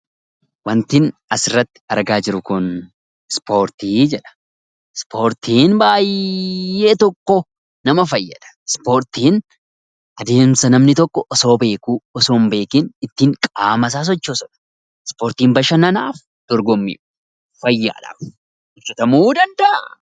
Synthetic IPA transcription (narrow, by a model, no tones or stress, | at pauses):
wɐnt̪ɪnɐsɪrːɐt̪ːɪ̥ɐɾɡaːd͡ʒɪɾʊkʊn | spʰo̞ːɾt̪iːd͡ʒɛᶑɐ̥ | spʰo̞ːɾt̪ʰiːnbaːjː | e̞ːt̪ɔkːɔ | nɐmɐfɐjːɐ̰ᶑ̪ɐ̥spo̞ːɾt̪iːn | ʔɐd̪e̞ːmsɐnɐmnɪt̪ɔkːɔʔːso̞ːbe̞ːkuːɔso̞ːmbe̞ːkɪnɪt̪ːiːŋkʼaːmɐs̬aːs̬ɔt͡ʃːoːsɔᶑɐ̥ | spo̞ːɾt̪iːmbɐʃɐnɐnaːf | d̪̥ɔɾɡɔmːḭː | ɐjːa̰ːᶑa̰ːf | ɪʃɐt̪ɐmuːd̪ɐnd̪ɐ